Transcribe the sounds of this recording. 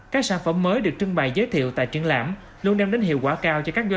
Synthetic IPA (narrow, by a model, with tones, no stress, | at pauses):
kaː˦˥k̚saː˧˥nfə˧˩mːəː˨˦jɗɨ˨˩ək̚t͡ɕɨ˧ŋɓa̰ː˧˨jzəː˨˦jt̪ʰḭ˧˨əwt̪a̰ː˧˨jt͡ɕi˧ənla̰ː˧˩m | lu˧ənɗɛ˧wŋ͡mɗe˨˦nhḭ˧˨əwkwaː˧˩kaː˧wt͡ɕɔ˧kaː˦˥k̚zw